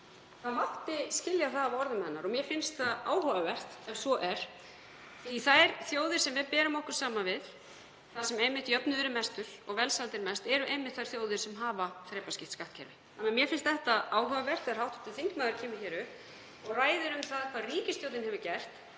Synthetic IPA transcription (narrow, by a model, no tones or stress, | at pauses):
θaðvaht̪ɪscɪljaθaðavɔɾðʏmhɛnːa̰ɾɔmjɛfɪnst̪θaðaːwɦœvavɛr̥t̪ɛmsvɔʔɛɾ̥ | θajɾθjoːwðɪɾsɛmvɪðpɛːɾʏmɔhkʏɾ̥saːmavɪð | θasɛmejmːɪht̪jœpnʏðɛɾʏmɛst̪ʏɾ̥ɔɣvɛlsalt̪ɪɾmɛst̪ɛɾʏʔejmːɪht̪θajɾ̥θjoːwðɪɾ̥sɛmɦaːvaθɾeːjpascɪht̪skaht̪̚cʰɛ̰ɾvɪ | amɛmjɛfɪnst̪θɛht̪aaːwɦœːvavɛr̥t̪ɛɾ̥hawht̪ʏ̥t̪ɪlθiŋkmaðaɾcʰɛːmɪçɛːɾʏ | ɔɣraːjðɪɾʏmθaðkʰvaðriːcɪst̪joːwðɪnɦɛvʏcɛr̥t̪